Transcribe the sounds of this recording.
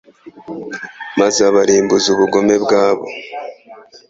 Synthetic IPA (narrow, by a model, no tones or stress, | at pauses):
mazaβaɾiːmbuzuβuɡo̞me̞bɡaːβo̞